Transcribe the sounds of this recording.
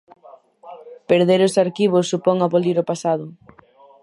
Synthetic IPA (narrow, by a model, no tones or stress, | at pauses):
peɾðeɾʊsaɾkiβʊsːupɔŋaβoliɾopasaðʊ